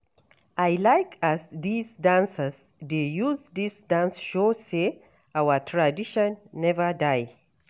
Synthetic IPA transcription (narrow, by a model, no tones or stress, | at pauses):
ʔajlajkʰasðisdãnsəz | dejuzd̪isdãnsʃose | awətʰɹadiʃɔ̃nːɛvədaj